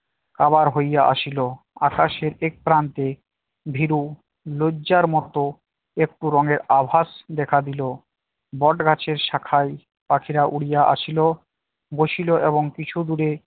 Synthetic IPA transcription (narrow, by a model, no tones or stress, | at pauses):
kaβaɾɦojaʔa̰ʃilo | akaʃeɾek̚pɾant̪e | bʱiɾu | loːaɾmɔt̪o | ek̚ʈuɾɔŋeɾabʱaʃd̪ɛkʰad̪ilo | bɔʈɡʱat͡ɕʰeɾʃakʰaj | pakʰiɾaʔuɽijaʔa̰ʃʰilo | ɡoʃiloʔeβoŋkit͡ɕʰud̪uɾe